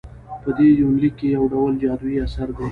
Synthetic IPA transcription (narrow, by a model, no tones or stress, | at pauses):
pəd̪ejuːnlikejɐwɖɐwəld͡ʒaːd̪uwiɐsɐɾɡɐ